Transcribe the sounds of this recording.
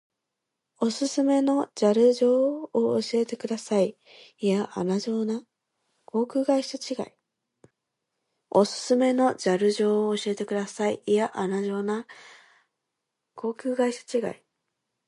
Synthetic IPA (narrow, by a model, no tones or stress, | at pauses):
o̞sɨsɨme̞no̞d͡ʑaɾɯ̟ʑo̞ːoɕie̞t̪e̞kɯ̟d̪asai | jaʔa̰naʑoːna | kʰo̞ːkʲɯ̟ːɡaiɕat͡ɕiɡa̰i | osɨ̥sɨme̞no̞d͡ʑaɾɯ̟ʑo̞ːoːɕie̞t̪e̞kɯ̟d̪asaijaʔanaʑo̞ːna | kʰo̞ːkʲɯ̟ːɡaiɕḁt͡ɕiɡa̰i